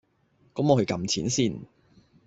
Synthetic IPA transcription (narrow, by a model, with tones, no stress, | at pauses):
kɔː˨˥mɔ˨˧hɵ˧ɥkɐ˧mt͡sʰiː˨˥nsiː˥˩n